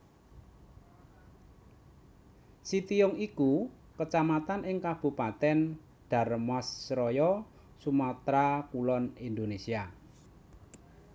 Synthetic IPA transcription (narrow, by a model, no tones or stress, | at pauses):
sit̪iʊŋiku | kət͡ʃamat̪anʔɪŋkab̥ṳpat̪ɛn | ɖ̪̥a̤rmɔsːɾɔjɔ | sumat̪ɾakulɔnind̪onesia